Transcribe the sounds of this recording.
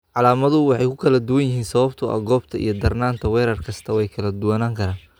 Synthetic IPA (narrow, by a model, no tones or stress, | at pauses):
ʕɑlaːmɐðʊwɑħɑjkʰʊkʰɐlɐd̪ʊwɐnjɪɦiːnsɐβɐbt̪ʰʊɐ̰ɡɔːbt̪ʰɐḭjɞd̪ɐrnaːnt̪ʰɐwɛːɾɐrkʰɐst̪ʰɐwɛjkʰɐlɐd̪ʊwɐnaːŋkʰɐɾaːn